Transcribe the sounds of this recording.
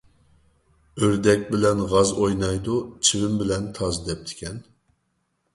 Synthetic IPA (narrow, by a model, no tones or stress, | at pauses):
øɾd̪ɛkʲbɪlɛnʁɑzojnɑjd̪ut͡ʃʰiwɪmbɪlɛnt̪ʰɑzd̪ɛp̚t̪ʰɪ̥kʲɛn